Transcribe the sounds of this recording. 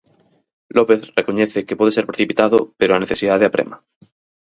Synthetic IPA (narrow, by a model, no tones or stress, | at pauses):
lopeθrekoɲeθekepwoðese̞ɾpɾeθipit̪aðopeɾoaneθesiðaðeapɾḛma